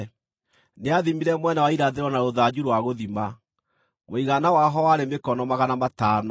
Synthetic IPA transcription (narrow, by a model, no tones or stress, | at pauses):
neaðimiɾɛmwɛnawaiɾaðeɾwɔnaɾoðad͡ʑuɾwaɣoðima | moiɣanawaɦɔwaɾemekɔnɔmaɣanamataːnɔ